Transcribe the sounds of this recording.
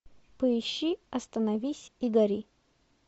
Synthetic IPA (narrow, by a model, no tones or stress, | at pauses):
pəɪɕːiɐst̪ənɐvʲisʲiɡɐɾʲi